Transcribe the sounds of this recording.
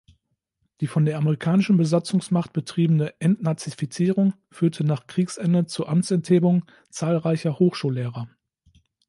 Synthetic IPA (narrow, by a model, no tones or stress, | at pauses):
d̥iːfɔndeːɐʔaməʁ̞ikʰaːnɪʃn̩bəzat͡sʊŋsmaχt̚b̥ətʁ̥iːbənəʔɛntnat͡sifit͡siːʁʊŋ | fyːɐtʰənaːχkʁ̥iːksʔɛndət͡suʔamt͡sɛntheːbʊŋ | t͡saːlʁaɪçɐhoːxʃuːlːeːʁɐ